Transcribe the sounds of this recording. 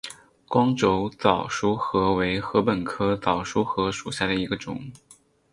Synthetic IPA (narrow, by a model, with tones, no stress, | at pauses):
kwɑ˥ŋʈ͡ʂo˧˥ʊt͡sɑ˨˩ʊʂu˥xɤ˧˥we˧˥ɪxɤ˧˥pə˨˩nkʰɤ˥t͡sɑ˨˩ʊʂu˥xɤ˧˥ʂu˨˩ɕja˥˩d̪ə˩i˧˥ɡə˧ʈ͡ʂʊ̰˨˩˦ŋ